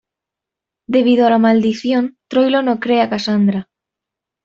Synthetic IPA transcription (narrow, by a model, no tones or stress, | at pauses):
d̪eβiðoalamald̪iθjont̪ɾojlonokɾeakasand̪ɾa